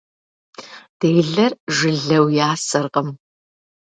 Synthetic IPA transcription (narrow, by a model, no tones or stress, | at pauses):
d̥eːɮɐrʒɨɮɐwjaːsɐrqəm